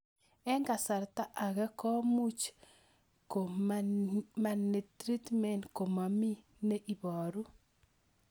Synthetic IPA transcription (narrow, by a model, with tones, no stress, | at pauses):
ɛ˦ŋɡa˨sa˨ɾt̪a˦ʔa˨ɡɛ˦kɔ˦mu˦t͡ʃ | ko˨ | ma˨ne˨t̪ɾi˦t̪mɛ˨nko˨ma˨mi˦ | ne˦ʔi˨bɔ˨ɾu˦